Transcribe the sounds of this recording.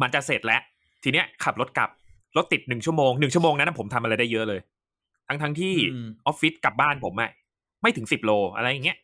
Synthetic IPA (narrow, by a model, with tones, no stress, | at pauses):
ma˧˥nt͡ɕa˨˩seː˨˩t̪̚lɛ˦˥ʔ | t̪ʰiː˧ni˦˥ɐkʰa˨˩p̚lo˦˥t̪̚ka̰˨˩p̚ | lɔ˦˥t̪ːi˨˩t̪̚nɯ˨˩ŋt͡ɕʰu˥˩ɐmoː˧ŋnɯ˨˩ŋt͡ɕʰu˥˩əmː˧ŋa˦˥nʔa˨˩pʰo˩˦mt̪ʰa˧mʔa˧a˧jdaː˥˩jɤ˦˥ʔlɤː˧j | t̪ʰa˦˥ŋt̪ʰa˦˥ŋt̪ʰiː˥˩ʔɔ˦˥p̚fi˦˥t̪̚ka˨˩p̚baː˥˩npʰo˩˦mʔa̰˨˩ | ma˥˩jt̪ɯ˩˦ŋsi˨˩p̚loː˧ʔa̰˧ɾa˧jːa˨˩ŋːi˦˥ɐʔ